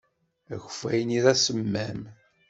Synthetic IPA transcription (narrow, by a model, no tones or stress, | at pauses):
æçə̥fæ̰jniðæsəmːæm